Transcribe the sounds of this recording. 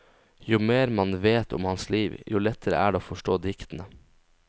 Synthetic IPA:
jʊːmeːɾmɑnʋeːt̪ʰʊ̰mhɑnsliːʋjuːlɛt̪ʰəɾə̰ʔæːɖɛoːfɔʂʈoːd̪ɪkt̪ən̩ə

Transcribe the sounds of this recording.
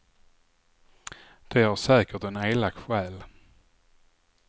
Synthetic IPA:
d̪̥ɛhaʂɛːkəʈɛneːlak̚t̪ɧɛːl

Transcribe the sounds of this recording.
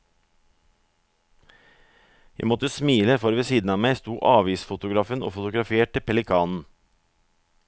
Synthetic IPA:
jæ̰ɪmɔt̪əsmiːləfɔɾʋɛsiːd̪n̩ɑːmæɪst̪uːʔɑːʋiːsfʊt̪ʊɡɾɑfəno̰ːfʊt̪ʊɡɾɑfeːʈəpʰɛlɪkʰɑːnn̩

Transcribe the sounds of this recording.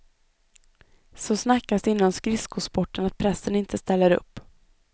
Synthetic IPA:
sɔsnakːasd̪ɪnːanskɾɪskʊspɔʈːənat̪̚pʰɾɛsːənɪnt̪ʰəst̪ɛlːəɾɵ̰pː

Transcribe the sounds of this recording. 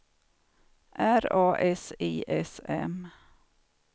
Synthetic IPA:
ʔæɾɑːʔɛsiːʔɛsɛ̰m

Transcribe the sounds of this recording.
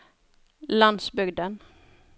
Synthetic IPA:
land̪sbʏɡd̪ən

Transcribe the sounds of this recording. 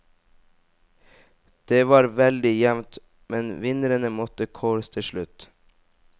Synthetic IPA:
d̪̥eːʋɑːɾʋɛld̪ɪjɛmt̪ | mɛnʋɪnəɾənəmɔt̪əkʰoːɾst̪ʰɪʃɭʉt̪

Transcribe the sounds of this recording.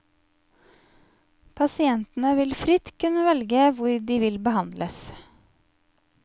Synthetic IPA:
pʰɑsɪɛnt̪n̩əʋɪlfɾɪt̪kʰʉnəʋɛlɡəʋʊɾd̪iːʋɪlbəhɑnd̪lʔəs

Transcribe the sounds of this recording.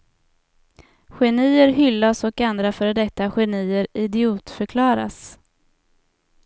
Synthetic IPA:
ɧɛniːəɾɦʏlːasɔkand̪ɾafœːɾd̪ɛt̪ːaɧɛniːəɾɪd̪ɪuːt̪fœɾkʰlɑːɾa̰s

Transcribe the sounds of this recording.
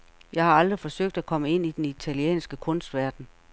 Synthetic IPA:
jɑ̈ɪhɑ̈ɑ̈ld̥ʁifɒ̽søɡ̥̚d̥ækʰɒ̽məe̝n̰id̥enit͡sʰæliḛːnsɡ̥əkʰɔ̽nsd̥ʋæɐd̥n̩

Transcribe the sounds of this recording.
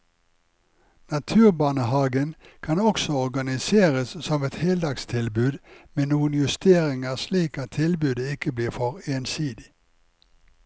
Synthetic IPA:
nɑt̪ʰʉːʁbɑːnəhɑːɡən | kʰɑnɔksɔɔʁɡɑnɪseːʁəssɔmɛt̪hɛːld̪ɑkst̪ʰɪlbʉːd̪meːnuːənjʉst̪eːʁɪŋəʁsliːkɑt̪ʰɪlbʉːd̪əɪkəbliːʁfɔʁeːnsiːd̪ɪ

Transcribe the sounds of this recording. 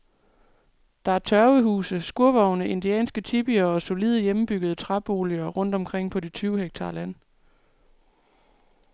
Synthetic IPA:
d̥ɑ̈æɐt͡sʰɶɐʊəɦṵːsəsɡ̥uɐʋɒʊnəʔe̝nd̥iɛ̰ːnsɡ̥ət͡sʰib̥iɐɒ̽so̝liːð̞ˠjemm̩b̥yɡ̥əð̞̩ˠət͡sʰʁɑb̥o̝̰ːliɐʁɔ̽n̰d̥ɒ̽mkʰʁeŋ̰pʰɒ̽d̥et͡sʰyːʊheɡ̥̚t͡sʰɑ̈ːlæn̰

